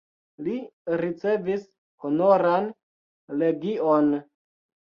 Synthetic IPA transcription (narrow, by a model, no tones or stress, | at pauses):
liɾit͡se̞vis | hono̞ɾan | le̞ɡion